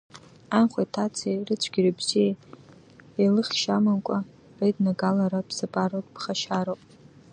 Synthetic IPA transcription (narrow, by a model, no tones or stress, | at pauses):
anχʷajtʰat͡sʰerɨt͡ɕʷʰɡ̥ʲirɨbz̥ie | elɨχʲʃamankʷʼa | rajdnaɡalaɾabsapʼarotʼb̥χaʃaɾowpʼ